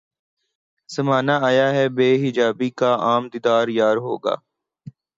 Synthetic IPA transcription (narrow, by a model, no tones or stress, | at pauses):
z̥əmaːnaːaːjaːɦɛːbeːɦɪd͡ʒaːbiːkaːaːmd̪ɪd̪aːɾjaːɾɦoːɡa̰ː